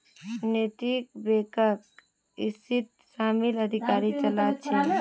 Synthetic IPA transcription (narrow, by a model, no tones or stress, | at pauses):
net̪ik̚bekək | ist̪it̪ | saːmiləd̪ʱikaːɾit͡ʃəlat͡ʃʰi